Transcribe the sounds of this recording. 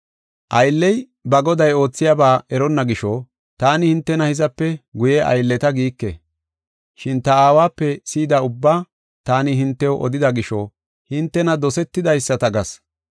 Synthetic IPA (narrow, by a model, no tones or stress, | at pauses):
ʔɐjlːɛj | bɐɡɔd̪ɐjo̞ːt͡sːɪjaːbaːʔɛɾɔnːɐɡɪʃɔ | t̪aːnɪhɪnt̪ːɛnɐhɪzɐpːɛɡʊjɛʔɐ̰jlːɛt̪ɐɡiːkːɛ̰ | ʃɪnt̪ɐaːwaːpːɛsiːd̪ɐʊbːaː | t̪aːnɪɦɪnt̪ːɛwʔɔ̰d̪ɪd̪ɐɡɪʃɔ | hɪnt̪ːɛnɐd̪ɔsɛt̪ːɪd̪ɐjsːɐt̪ɐɡɐs